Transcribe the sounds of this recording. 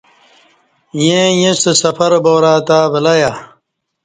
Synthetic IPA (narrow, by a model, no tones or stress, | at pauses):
jẽjĩsesɐfɐɾboːɾaːt̪aːbɐlɐja